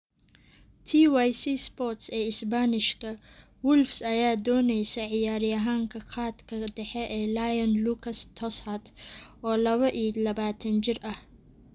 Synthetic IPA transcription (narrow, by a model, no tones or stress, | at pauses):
t̪ʰiːwajsiːspɔrt̪sɛːɪsbanɪʃkʰɐ | wʊlfsɐjaːd̪ɔːnɛjsɐʕɪjaːɾɪɐɦaːŋkʰɐqɑːd̪kʰɐd̪ɛħɛʔɛːlajɐnluːkʰɐst̪ʰɔshɐt̪ɔːlɐβɐʔiːlɐβaːt̪ʰɐnt͡ʃɪrɐh